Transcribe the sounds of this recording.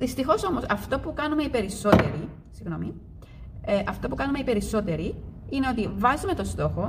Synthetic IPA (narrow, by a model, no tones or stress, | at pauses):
ðist̪ixo̞so̞mo̞sɐft̪o̞pukɐnume̞ipe̞ɾiso̞t̪e̞̰ɾi | siɣno̞mi | eʔɐft̪opukɐnume̞ipe̞ɾiso̞t̪e̞ɾiineo̞t̪ivɐzime̞t̪o̞st̪o̞xo̞